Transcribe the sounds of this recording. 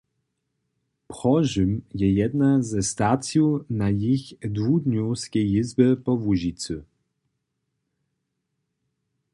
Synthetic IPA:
pχɔʒɨmjɛjɛd̪nazɛst̪at̪sʲjunajixd̪vud̪ɲuskʲɛjizbɘpɔvuʑit̪t͡s̪ɨ

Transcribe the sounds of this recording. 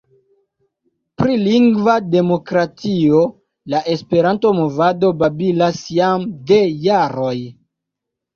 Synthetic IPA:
pɾiliŋɡvade̞mo̞kɾatio̞ | laʔe̞spe̞ɾanto̞mo̞vado̞babilasjamde̞jaɾo̞j

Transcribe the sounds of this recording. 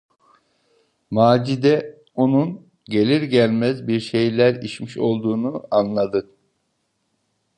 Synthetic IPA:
maːd͡ʒid̪ɛ | o̞nun | ɟe̞lʲiɾɟælʲmæzbiɾʃe̞jlʲæɾit͡ʃmiʃo̞lˠd̪uːnuanlˠad̪ɯ

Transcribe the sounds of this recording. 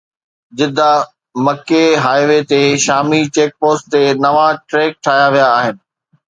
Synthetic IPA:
d͡ʑɪd̪ʱa | mɐkeɦaːɪʋet̪eʃaːmit͡ɕeːk̚poːst̪enɐʋaʈɾeːk̚ʈʰaːjaʋijaːɦɪnɪ̆

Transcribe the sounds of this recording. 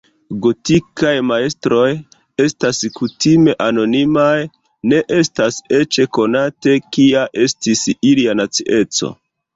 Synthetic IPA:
ɡo̞tikajmae̞stɾo̞j | e̞staskutime̞ʔano̞nimaj | ne̞ʔe̞stase̞t͡ʃe̞ko̞nate̞kiaʔe̞stisilianat͡siʔe̞t͡so̞̰

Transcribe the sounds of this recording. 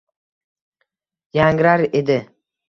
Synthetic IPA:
jaŋɾaɾed̪ɪ

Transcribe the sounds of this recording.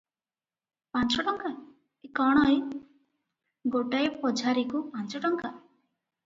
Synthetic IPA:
pant͡ʃɔʈɔŋka | ekɔɽ̃ɔj | ɡoʈaepɔd͡ʒʱaɾikupant͡ʃɔʈɔŋka

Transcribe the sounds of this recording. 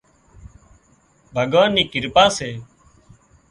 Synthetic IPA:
bʱəɡʋaːniːkɪɾpaːseː

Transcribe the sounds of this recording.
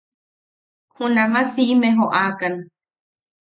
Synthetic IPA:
hunamasiʔimeɦoʔakan

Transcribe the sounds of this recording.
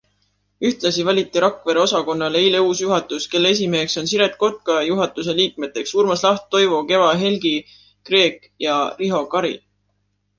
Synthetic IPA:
yht̪lɑsivɑlʲit̪ːˑiɾɑkːˑveɾeo̞sɑko̞nːɑleijleuːsjuɦɑt̪ːˑuske̞lːee̞s̬imeːkso̞nsiɾe̞t̪̚ko̞t̪̚kɑjuɦɑt̪ːˑuse̞liːk̚me̞t̪ːˑe̞ksuːɾmɑslɑht̪̚ːo̞jvoke̞vɑɦe̞lɡi | kre̞ːkˑ | jɑriɦo̞kɑɾḭl

